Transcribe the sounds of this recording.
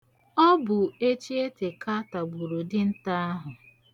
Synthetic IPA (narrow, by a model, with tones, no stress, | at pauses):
ɔ˦bʊ˨e˦t͡ʃi˦e˦te˨ka˦ta˨bu˨ɾu˨dɪ˦n̩˦ta˦a˦ɦʊ˨